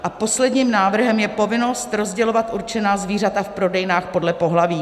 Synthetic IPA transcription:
ʔapo̞slɛdɲiːmnaːvr̩ɦɛmjɛpo̞vɪno̞st̪ɾo̞zɟɛlo̞vat̪ʔuɾt͡ʃɛnaːzviːr̝at̪afpɾo̞dɛjnaːxpo̞dlɛpo̞ɦlaviː

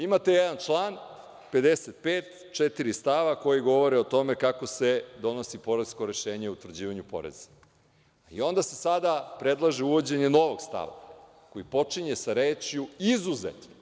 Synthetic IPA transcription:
imat̪ejed̪ant͡ʃlˠaːn | pe̞d̪eset̪̚peːt̪ | t͡ʂet̪iɾist̪aʋako̞jiɡo̞ʋo̞ɾeo̞t̪o̞mekako̞sed̪o̞no̞sipo̞ɾezko̞ɾe̞ʃeːɲeut̪ʋɾ̩d͡ʑiːʋaɲupo̞̰ɾḛz̥e̥ | ḭo̞nd̪asesad̪apɾed̪lˠaʒeuʋo̞d͡ʑe̞ɲe̞no̞ʋo̞ɡst̪a̰ʋa̰ | ko̞jipo̞t͡ʂiɲesaɾeːt͡ʂjuizuzḛt̪no

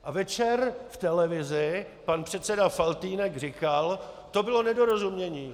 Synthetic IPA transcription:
ʔavɛt͡ʃɛrft̪ɛlɛvɪzɪ | panpr̥ɛt̪sɛdafalt̪iːnɛɡr̝ɪkalt̪o̞bɪlo̞nɛdoɾozumɲɛɲiː

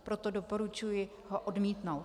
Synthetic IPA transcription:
pɾot̪odopo̞ɾut͡ʃujɪ | ɦoʔodmiːt̪now

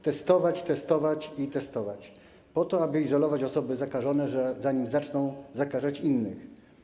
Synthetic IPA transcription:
t̪ɛst̪ɔvat͡ɕt̪ɛst̪ɔvat͡ɕit̪ɛst̪ɔvat͡ɕ | pɔt̪ɔabɘizɔlɔvat͡ɕɔsɔbɘzakaʐɔnɛʐɛzaɲimzat͡ʂnɔ̃w̃zakaʐat͡ɕinːɘx

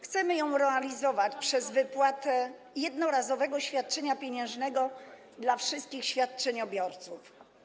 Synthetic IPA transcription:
xt̪sɛmɘjɔ̃w̃ɾɛalʲizɔvat͡ɕpʂɛzvɘpwat̪ɛ | jɛd̪nɔɾazɔvɛɡɔɕfʲjat̪̚t͡ʂɛɲapʲjeɲɛ̃w̃ʐnɛɡɔ | d̪lafʂɘst̪̚kʲixɕfʲjat̪̚t͡ʂɛɲɔbʲjɔɾt̪suf

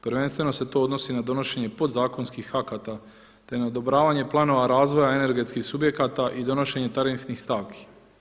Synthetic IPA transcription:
pɾʋe̞nst̪ʋe̞noset̪o̞od̪no̞sinad̪o̞no̞ʃe̞ɲe̞po̞d̪zaːko̞nskixakat̪a | t̪e̞naod̪o̞bɾaːʋaɲe̞plˠaːno̞ʋaɾaːzʋo̞jae̞ne̞ɾɡe̞t̪skixsubje̞kat̪aʔid̪o̞no̞ʃe̞ɲe̞t̪aɾinfnixst̪aːʋkʰi̥

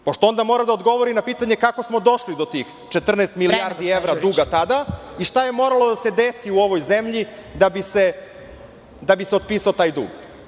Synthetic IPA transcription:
po̞ʃt̪oo̞nd̪amo̞ɾad̪aod̪ɡo̞ʋo̞ɾinapiːt̪aɲe̞kako̞smo̞d̪o̞ʃlid̪o̞t̪ix | t͡ʃet̪r̩neːst̪milijaɾd̪ieʋɾad̪uːɡat̪ad̪aiʃt̪aje̞mo̞ɾalo̞d̪ase̞d̪esiuo̞ʋo̞jze̞mʎid̪abise̞ | d̪abiseo̞d̪̚piːsaot̪aːjd̪ṵːɡ

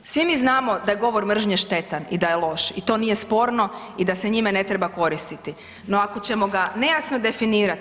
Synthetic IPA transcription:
sʋimiːznaːmo̞d̪aje̞ɡo̞ʋo̞ɾmr̩ʒɲeʃt̪e̞t̪anḭd̪ajelˠo̞ʃit̪o̞nije̞spo̞ːɾno̞ | id̪ase̞ɲimene̞t̪ɾebako̞ɾist̪it̪i | no̞akot͡ɕe̞mo̞ɡane̞jasno̞d̪e̞finiːɾat̪

